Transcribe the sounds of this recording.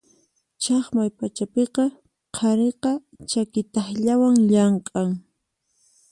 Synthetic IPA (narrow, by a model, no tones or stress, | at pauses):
t͡ʃɑχmajpat͡ʃapeqɑ | qʰɑɾeqɑ | t͡ʃakɪt̪ɑχʎawaŋʎɑɴqʼɑŋ